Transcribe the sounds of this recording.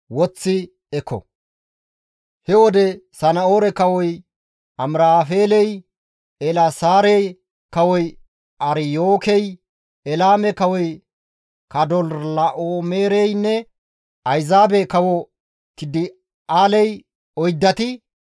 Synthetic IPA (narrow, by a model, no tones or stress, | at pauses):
wɔt͡sːɪ | ɛkʰːɔ̰ | hɛwɔd̪ɛsɐnɐoːɾɛkɐwɔj | ɐmɾaːfeːlɛj | ɛlɐsaːɾɛj | kɐwɔj | ɐɾjoːkɛj | ɛlaːmɛkɐwɔj | kɐd̪ɔllɐʔoːmeːɾɛjnːɛ | ɐjzaːbɛkɐwɔ | t̪ɪd̪ɪ | aːlɛj | ɔjd̪ːɐt̪ɪ